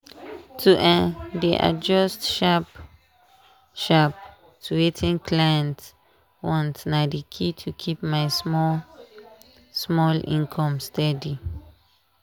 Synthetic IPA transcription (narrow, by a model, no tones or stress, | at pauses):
tʰuʔɛ̃ndiʔa̰d͡ʒɔstʃap | ʃap̚ | tʰuetʰĩnkʰlajɛ̃nt | wɔ̃ntnadikʰitʰukʰipmajsmɔ | smɔlḭ̃nkʰɔ̃mstadi